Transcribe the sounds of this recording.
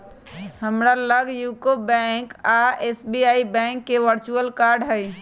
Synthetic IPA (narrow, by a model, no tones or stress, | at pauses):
həmɾaləɡjukobɛ̃kaesbiaibɛ̃ŋkːeʋəɾt͡ʃuəlkaɾɖɦəj